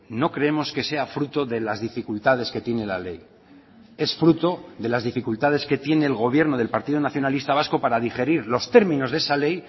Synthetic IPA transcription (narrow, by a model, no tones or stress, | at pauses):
no̞kɾe̞emo̞ske̞se̞afɾut̪o̞ðe̞lazðifikult̪að̞e̞ske̞t̪je̞ne̞la̰le̞j | e̞sfɾut̪o̞ðe̞lazðifikult̪að̞e̞ske̞t̪je̞ne̞ːlɣo̞βje̞ɾno̞ðe̞lpaɾt̪iðonaθjo̞nalist̪aβ̞asko̞paɾaðixe̞ɾiɾlo̞st̪e̞ɾmĩno̞zðesale̞j